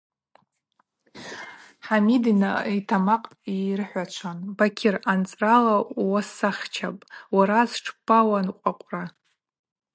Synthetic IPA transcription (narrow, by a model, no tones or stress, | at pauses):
ħamidina̰tʰamaqʼ | irɨħʷat͡ʃʷʰanbakʲʰɪrant͡sʼralawasaχʲt͡ʃʰapʼwaɾazʈ͡ʂʰbawanqʷʼaqʷʼra